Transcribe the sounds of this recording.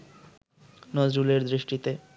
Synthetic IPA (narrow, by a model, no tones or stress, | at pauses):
nɔd͡ʑɾuleɾd̪ɾiʃʈit̪e